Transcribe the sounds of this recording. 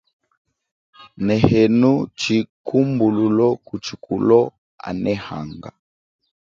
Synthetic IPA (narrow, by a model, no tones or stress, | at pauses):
nɛhɛnut͡ʃikʰumbululɔkut͡ʃikulɔ | a̰nɛha̰ŋɡa